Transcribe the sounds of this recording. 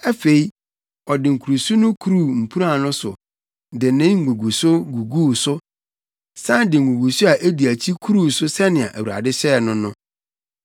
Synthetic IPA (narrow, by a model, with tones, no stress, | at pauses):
æ˦fe˨i˦ | ɔ˨dɪ˨ŋ̩˨kʰu˨ɾu˨su˦nʊ̃˦kʰu˦ɾu˦˨m̩˨pʰu˦ɾa˦˨nʊ̃˦sʊ̰˨ | dɪ˨nɪ̃˦ŋ̩˦ɡʷũ˨ɡu˨sʊ˦ɡu˨ɡuː˦˨sʊ˦ | sã˦ndɪ˨ŋ̩˨ɡũ˨ɡu˨sʊ˦a˨ʔe˦di˨æ˨t͡ɕʰi˦kʰu˦ɾu˦˨sʊ˦sɛ˦nɪ̃˨a̰˨ʔæ˨wu˨ɾa̰˨dɪ˦ɕɛ˦˨nʊ̃˦nʊ̃˦